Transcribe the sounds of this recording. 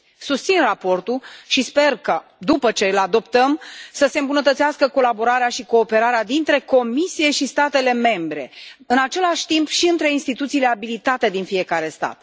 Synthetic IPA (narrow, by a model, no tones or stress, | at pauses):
sust̪sinrapo̞rt̪uʃispe̞rkad̪upət͡ʃe̞ɨlad̪o̞pt̪əmsəse̞ɨmbunət̪ət̪seaskəko̞labo̞ɾaɾeaʃiko̞ːpe̞ɾaɾead̪int̪ɾe̞ko̞misije̞ʃist̪at̪e̞le̞me̞mbɾe̞̰ɨnat͡ʃe̞laʃʲt̪impʃiɨnt̪ɾe̞inst̪it̪ut̪sile̞abilit̪at̪e̞d̪infije̞kaɾe̞st̪a̰t̪